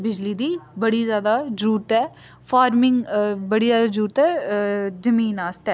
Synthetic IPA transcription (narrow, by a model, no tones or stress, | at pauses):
bɪd͡ʒliːd̪iːbəɽiːzjaːd̪aːd͡ʒɾuːɾt̪ɛː | pʰaːɾmɪŋɡbəɽiːzjaːd̪aːd͡ʒɾuːɾt̪ɛːzəmiːnaːst̪ɛː